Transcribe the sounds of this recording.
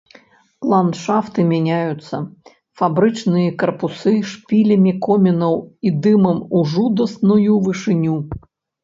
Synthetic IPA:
lˠand̪ʂaft̪ɨmʲanʲajut̪sːɐ | fabɾɨt͡ʂnɨjɐkɐrpusɨʂpʲilʲɐmʲikɔmʲɛnɐwid̪ɨmɐmuʐud̪ɐsnujuvɨʂɨnʲu

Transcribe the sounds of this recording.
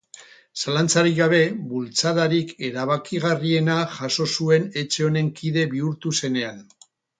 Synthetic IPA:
salant͡saɾiɣaβ̞e̞βult͡sað̞aɾike̞ɾaβ̞akiɣ̞arie̞naʝaso̞sue̞ne̞t͡ʃe̞o̞ne̞ŋkʰiðe̞βiuɾt̪use̞ne̞an

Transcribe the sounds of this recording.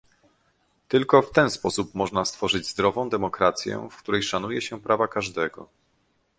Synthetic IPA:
t̪ɘlkɔft̪ɛnspɔsup̚mɔʐnast̪fɔʐɘd͡ʑzd̪ɾɔvɔ̃w̃d̪ɛmɔkɾat̪sʲjɛ̰fkt̪uɾɛjʂanujɛɕɛpɾavakaʐd̪ɛɡɔ̰

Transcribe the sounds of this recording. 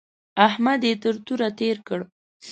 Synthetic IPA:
ahmad̪et̪əɾt̪uɾat̪eɾkəɽ

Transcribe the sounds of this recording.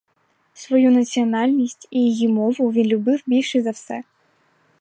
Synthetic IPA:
sʋɔjunɐt͡sʲiɔnɑlʲnʲisʲtʲijijimɔʋʊʋʲinlʲʊbɪwbʲilʲʃɪzɐwsɛ

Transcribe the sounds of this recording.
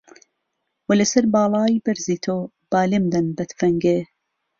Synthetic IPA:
wɐlɐsɐɾbɑːlˠɑːjbɐɾziːt̪ʰoː | b̥aːlemd̪ɐnbɐt̪fɐŋɡe

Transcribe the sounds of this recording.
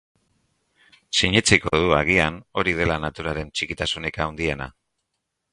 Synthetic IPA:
siɲit͡siko̞ðuaɣ̞iano̞ɾið̞e̞lanat̪uɾaɾe̞nt͡ʃikit̪asunekawnd̪ie̞na̰

